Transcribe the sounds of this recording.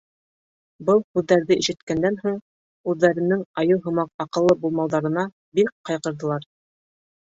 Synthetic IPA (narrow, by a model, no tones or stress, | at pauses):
bɤlˠhʉðːæɾðɘʔiʃɘ̆t̪kænd̪ænɦuɴ | ʉðːæɾɘ̆nɘŋɑjɤw̪ˠɦɤ̆mɑqɑqɤ̆lˠːɤbulˠmɑlˠd̪ɑɾɤ̆nɑ | bikqːɑjqɤ̆ɾðɤ̆lˠɑɾ